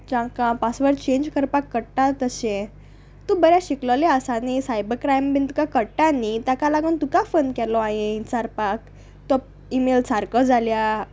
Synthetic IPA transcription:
d͡ʑãkãpasʋəɾt͡ɕẽɲd͡ʑkəɾpakːəɽʈat̪əsẽ | t̪ũbəɾjaɕikləleəsanisajbəɾkɾajmbint̪ukakəɽʈanit̪jakalaɡunt̪ukafənkɛlɔaɦẽt͡saɾpak̚ | t̪ɔ | imelsaɾkəd͡zʱalja

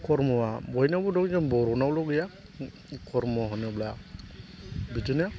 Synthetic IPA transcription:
kɔɾmɔwabɔjnabɔdɔŋd͡ʒɔnbɔɾɔnawlɔɡɛja | kʰɔɾmɔwaɦɔnabla | bid͡ʒɯna

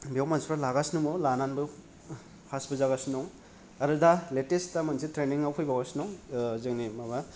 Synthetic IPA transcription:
biewmanspʰɾalaɡasnumɔlananbɯ | pʰasbɯzaɣasnɔŋ | ɐɾɯdaletestamansitɾeniŋawpʰɔjbaɡasnɔŋzɯŋnimaba

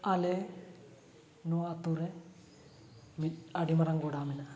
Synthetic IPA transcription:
ɐle | nuɐt̪ːure | miɐɽimɐrɐŋɡuːɽaːmina

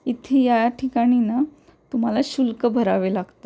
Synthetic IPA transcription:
it̪ʰejajaʈʰikaɽ̃ina | t̪um̤alaɕulkəbʱəɾaʋelaɡt̪a

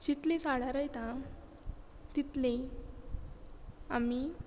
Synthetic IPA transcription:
t͡ɕit̪lisaɽ̤aɾəjt̪ã | t̪it̪le | ami

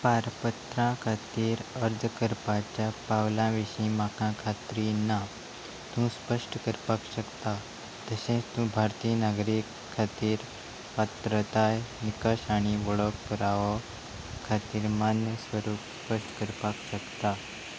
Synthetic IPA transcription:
paɾpət̪ɾãkʰat̪iːɾəɾd͡zʱkəɾpat͡ɕjapawlãʋiɕĩmakãkʰat̪ɾinːa | t̪ũspəʂʈəkəɾpakɕəkt̪a | t̪əsẽt͡st̪ũbʱaɾt̪iːnaɡɾikʰːat̪iːɾ | pat̪ɾət̪ajnikəɕaɽ̃iʋəɭək̚pəɾaʋɔ | kʰat̪iːɾmanjəsʋəɾuːpspəʂʈkəɾpakɕəkt̪a

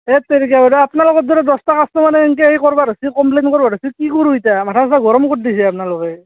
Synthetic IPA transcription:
et̪eɾikabaɾuapnalɔkɔt̚d̪ɔɾɛd̪ɔstakʰastɔmanɛŋkeikɔɹbaɾasikɔmplenkɔɹbaɾasikikoɾuitamatʰassaɡʱɔɾɔmkotdisɛapnalʊkɛ

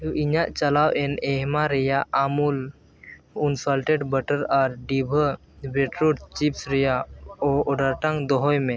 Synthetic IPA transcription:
uʔiɲaʔt͡ʃalawɛnɛɦmaɾɛjaʔamul | kɔnsalʈeɖbəʈəɾaɾɖibʱə | beʈɾuʈt͡ʃipsɾɛjaɔɔɖaɾʈãŋd̪ɔɦɔjmɛ̃

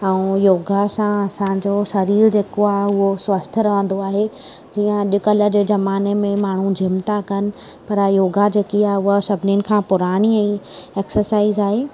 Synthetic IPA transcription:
ɛ̃joːɡʱasãɐsãd͡ʑoʃɐɾiːɾd͡ʑeːkoaːɦeʊɦosʋəst̪ʰəɾɐʋə̃n̆d̪oaːɦe | d͡ʑiːə̃ɗɪkələ̆d͡ʑeːzɐmaːnemẽmaːɳ̤ũd͡ʑʱɪmt̪akɐnɪ̆ | pɐɾjoːɡad͡ʑeːkiaːɦʊɦəsɐbʱɪniənɪ̆kʰãːpʊɾaːɽ̃iɛ̃ːeːksəɾsaːizaːɦeː

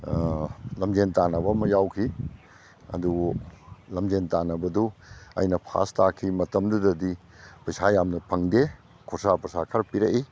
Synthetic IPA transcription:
lɐmd͡ʒentanɐbɐmɐjawkʰi | ɐ̰du | lɐmd͡ʒentanɐbɐduɐ̰jnɐpʰa̰stʰakʰimɐtɐmdudɐdi | pɐjsajamnɐpʰɐŋde | kʰosapɐsakʰaɾpiɾeʔi

